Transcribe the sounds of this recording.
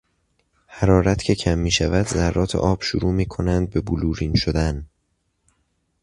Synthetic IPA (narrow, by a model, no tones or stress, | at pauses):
hæɾɒːɾæt̪ʰcʰe̞cʰæmːiːʃævæd̪zæɾːɒːt̪ʰeʔɒːb̥ʃuɾuːmiːkʰo̞nænd̪̚be̞buluːɾiːnʃod̪æn